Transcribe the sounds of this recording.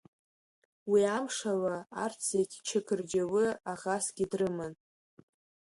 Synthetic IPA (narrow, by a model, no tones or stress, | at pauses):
wiamʂawaart͡sʰetʲʰt͡ʃʰɪkʰʼɨrd͡ʒawɨaʁasɡʲɪdrɨmɨn